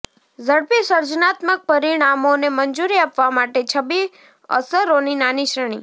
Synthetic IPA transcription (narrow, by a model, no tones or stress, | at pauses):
zəɽpisəɾd͡ʒənat̪mək̚pəɾiɽ̃amonemənd͡ʒuɾiapʋamaʈet͡ʃʰəbi | ə̰səɾoninaniʃɾəɳ̃ḭ